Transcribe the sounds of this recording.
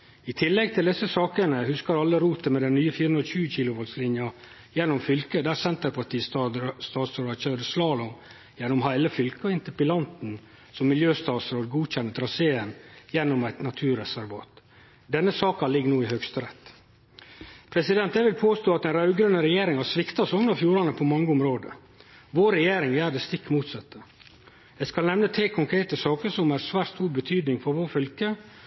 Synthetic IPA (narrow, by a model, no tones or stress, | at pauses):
ɪt̪ʰɪlːɛɡ̚t̪ʰɪld̪ɪsːəsɑːkənəhʉskɑɾɑlːəɾuːt̪əmɛd̪ɛnnyːəfiːɾəʉnɾɕʉːəçiːlʊʋɔlslɪnjɑ | jɛnːʊmfʏlkəd̪æːɾsɛnt̪əɾpʰɑʈʰiːsst̪ɑːt̪sɾoːd̪ɑçœd̪əslɑːlɔ | jɛnːʊmhæɪləfʏlkəɔɪnt̪əpɪlɑnt̪n̩ | sɔmːɪljøːst̪ɑːt̪sɾoːd̪ɡuːçɛnːət̪ʰɾɑseːənjɛnːʊmæɪt̪nɑt̪ʰʉːɾɛsæɾʋɑ̰ːt̪ | d̪ɛnːəsɑːkɑlɪɡːnuːɪhœɡst̪əɾɛt̪ː | pʰɾɛsɪd̪ɛnt̪̚d̪æʋɪlpʰoːst̪oːɑt̪ɛnɾɑʉɡɾʉnəɾɛjeːɾɪŋhɑsʋɪkt̪ɑsɔnəfjuːɾɑnəpʰɔmɑŋːəʊmɾoːd̪ə̰ | ʋoːɾɛjeːɾɪŋjæːɖ̪ɛst̪ɪkːmuːt̪sɛt̪ːə | d̪̥ɛskɑlnɛmnət̪ʰeːkʰɔŋkʰɾeːt̪əsɑːkəɾsɔmæɾsʋæːʈst̪uːɾbət̪ʰyːd̪nɪŋfɔɾʋoːfʏlkə